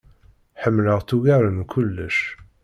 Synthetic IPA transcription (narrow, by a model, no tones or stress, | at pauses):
ħəmːləʁθuʝaɾənkʰʊlːəʃ